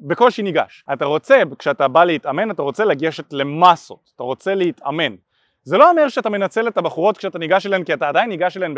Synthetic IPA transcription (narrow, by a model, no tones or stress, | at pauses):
beko̞lʃiniɡa̰ʃataʁo̞t͡se̞bkʃeatabaleitame̞nataʁo̞t͡selaɡeʃetle̞maso̞̰tataʁo̞t͡se̞leit̪ame̞n | zelo̞ome̞ʁʃeatame̞nat͡se̞let̪abaχuʁo̞t̪kʃeataniɡaʃelaemkiataːdajinːiɡaʃelaemb